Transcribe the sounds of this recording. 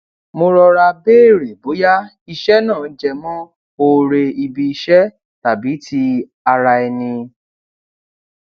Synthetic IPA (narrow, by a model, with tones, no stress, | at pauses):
mo˧ɾɔ˧ɾa˧beː˦˨ɾe˨bo˨˦ja˦ | i˧ʃɛ˦nãː˦˨n̩˦d͡ʒɛ˧mɔ̃˦ | o˧ɾe˧i˧bi˧i˧ʃɛ˦ | ta˨bi˨˦ti˧˦ | a˧ɾa˧ɛ˧nĩ˧